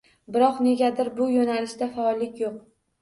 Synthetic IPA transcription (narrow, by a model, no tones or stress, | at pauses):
bɪɾɒqne̞ɡʲad̪ɪɾbʊjonalɪʃd̪afaɒlˠːɪkʲjoq̚